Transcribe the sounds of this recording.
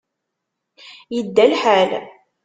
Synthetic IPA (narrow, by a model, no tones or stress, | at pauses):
jəd̪ːælħal